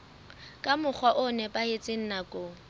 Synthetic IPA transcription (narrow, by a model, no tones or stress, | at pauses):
kʼamʊk͡xʰwaʔʊnɛpʼaɪt͡sʼɪn̩nakʼo